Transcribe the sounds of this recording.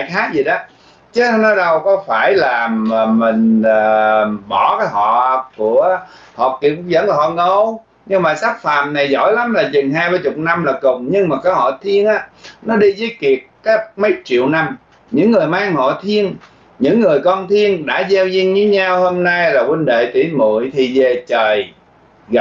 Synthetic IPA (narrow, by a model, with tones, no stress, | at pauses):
aː˨jxaː˦˥k̚zi˨˩ɗɔ˨˦ | t͡ɕə˨˦˧nɔ˨˦ɗə˨˩wkɔ˨˦faː˧˩jlaː˨˩˨mï˨˩ŋ̟əː˨˩ɓɔ˧˩kaː˨˦jɦɔ̰˧˨ku˧˩˦əhɔ̰˨˩ki˨˩əp̚zə̰˧˥nlaː˨˩ɦɔ̰˧˨ŋə˧˩w | ɲɨ˧ŋmaː˨˩saː˦˥k̚fa̰ː˧˨mna˨˩jzɔ̰˧˥˨jla˨˦mlaː˨˩zɨ˨˩nɦaː˧jɓaː˧jt͡ɕʊ˨˩k͡p̚na˧mlaː˨˩kʊ˨˩ŋ͡mɲɨ˧ŋmaː˨˩kɔ˨˦hɔ̰˧˨t̪ʰi˧ənʔaː˨˧˥nɔ˨˦ɗi˧zəː˨˦jki˨˩ət̚ka˨˦˥k̚mə˨˦jt͡ɕḭ˧˨əwna˧m | ɲɨ̰˧˥ŋːɨ˨˩əjmaː˧ŋhɔ̰˧˨t̪ʰi˧ən | ɲɨ̰˧˥ŋːɨ˨˩əjkɔ˧nt̪ʰi˧ənɗa̰ː˧˥zɛ˧wzi˧ŋɲɨ˨˦ɲaː˧who˧mnaː˧jlaː˨˩kwə˧nɗḛ˧˨t̪ḭ˧˩˦mṵ˧˨jt̪ʰi˨˩ze˨˩t͡ɕəː˨˩j | ɣ